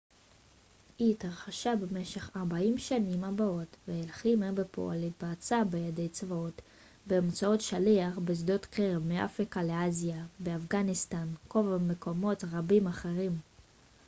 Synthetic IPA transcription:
ʔitaʁχaʃabeme̞ʃe̞χaʁbaimʃanimabao̞tveelχimeʁbepʰo̰a̰litbaːt͡sabejade̞jt͡svao̞t | bemt͡sao̞tʃaliaχbezdo̞tkeʁevmeʔa̰fʁikale̞aziabeafɡanistanko̞vamekʰo̞mo̞tʁabimaχeʁim

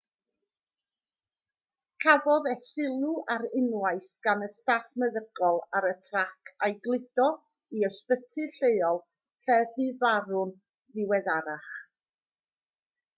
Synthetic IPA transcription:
kʰavɔðɛθɪlˠuʔaɾɪnwaɨθɡ̥anəstaθməðəɡ̥ɔlˠaɾətʰrakʰajɡlˠɪd̥ɔ | iəspətʰɨɬeɨɔlˠ | ɬɛðɨvaɾʊn | ðɪwɛðaɾaχ

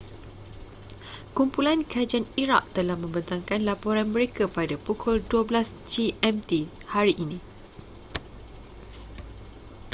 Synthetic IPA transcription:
kumpulankad͡ʒianiɾa̰k̚t̪əlahmə̃mbənt̪aŋkanlapoɾanmə̃ɾekapadapukʰɔlduəblasd͡ʒiɛmt̪ihaɾiʔinĩ

